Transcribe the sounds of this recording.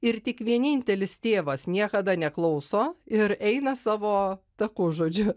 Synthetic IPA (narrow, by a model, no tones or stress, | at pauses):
ɪɾt̪ʲɪkʋʲiɛnʲɪnʲt̪ʲɛlʲɪst̪ʲeːʋɐsnʲiɛkɐd̪ɐnʲɛklˠɐʊsoːɪɾɛɪnɐsɑːʋoːt̪ɐkʊʒoːd͡ʒʲʊ